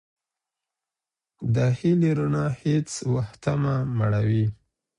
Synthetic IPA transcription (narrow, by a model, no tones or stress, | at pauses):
d̪ahiliɾunahet͡swaxt̪amamaɽawi